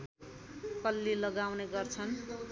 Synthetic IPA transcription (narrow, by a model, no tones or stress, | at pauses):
kʌlːilʌɡawneɡʌrt͡sʰʌn